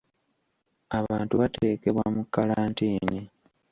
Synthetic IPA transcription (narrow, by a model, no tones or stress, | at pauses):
aβaːntuβate̞ːke̞βwamukːalaːntiːni